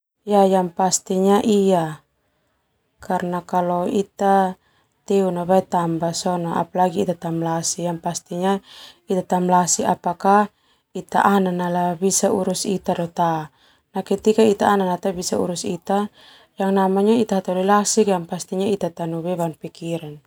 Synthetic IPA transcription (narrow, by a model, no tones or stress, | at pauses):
jajaŋpast̪iɲaʔija | karnakalɔit̪a | t̪ɛunabait̪ambasɔnaʔa̰palaɡiːt̪at̪amlasijaŋpast̪iɲait̪at̪amlasiʔapaka | it̪a̰ʔananalabisauɾusit̪adɔt̪a | nakit̪ikait̪aːnanat̪abisaṵɾusit̪a | jaŋnamaɲait̪aɦat̪ɔlilasikjaŋpast̪iɲait̪at̪anubɛbanpikiɾan